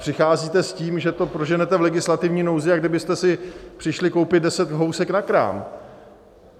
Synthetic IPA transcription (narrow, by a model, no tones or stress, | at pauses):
pr̥ɪxaːziːt̪ɛsciːmʒɛt̪o̞pɾoʒɛnɛt̪ɛvlɛɡɪslat̪ɪvɲiːnowzɪjaɡ̚dɪbɪst̪ɛsɪpr̥ɪʃlɪkowpɪd̪̚dɛsɛt̪ɦo̞wsɛknakɾa̰ːm